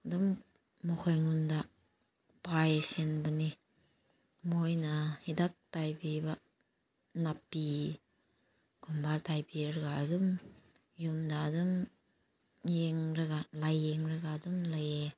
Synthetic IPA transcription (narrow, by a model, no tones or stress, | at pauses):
dumː | ɔkʰojŋunda | pajesenbɯni | mojnahidak̚tajbiba | napːi | kʰumbaltajpiɾɐɡaːdum | jumdaːdum | jeŋɾaɡalajeŋɾaɡaːdumlaje